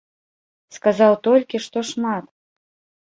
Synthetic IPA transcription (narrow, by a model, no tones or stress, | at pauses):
skazawt̪ɔlʲkʲiʂt̪ɔʂmat̪